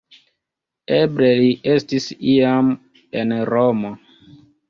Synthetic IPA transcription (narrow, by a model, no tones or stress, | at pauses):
ebleliʔestisiam | enɾomo